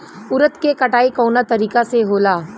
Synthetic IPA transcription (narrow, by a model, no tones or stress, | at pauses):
ʊɾət̪kekɐʈaːikɔːnat̪ɐɾiːkaseɦoːlaː